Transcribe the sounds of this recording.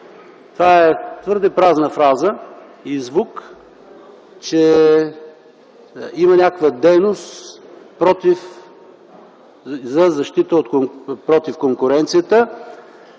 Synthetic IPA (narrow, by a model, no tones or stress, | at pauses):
t̪vaɛt̪vɤɾd̪ɛpɾaznəfɾazə | izvuk | t͡ʃɛ | imənʲakvəd̪ɛjnost̪pɾɔt̪if | zɐzɐʃt̪it̪əot̪koŋpɾɔt̪ifkoŋkʊɾɛnt̪sijət̪ə